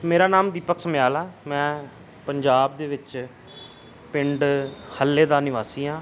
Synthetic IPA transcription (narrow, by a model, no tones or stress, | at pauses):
meːɾaːnaːmd̪iːpəksəmjaːlaːmɛ̃ː | pəɲd͡ʒaːb̚d̪eːʋɪt͡ʃ | pɪɳɖhəlːeːd̪aːnɪʋaːsiːãː